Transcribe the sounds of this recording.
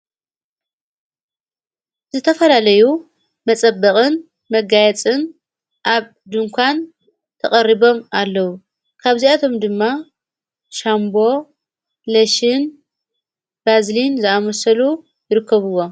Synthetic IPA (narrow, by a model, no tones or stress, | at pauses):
zɨt̪ʰɐfɐlalɐju | mɐt͡sʼɐbːɐqʼɨn | mɐɡajɛt͡sʼɨn | ʔaβ | d̪ɨŋkʰʷan | t̪ʰɐχʼɐriβo̞malːɐwu | kʰaβziat̪ʰo̞md̪ɨmːa | ʃambo̞ | lɐʃɪn | bazlinzɨamɐsɐlu | jɪɾɨkːɐβɨwːo̞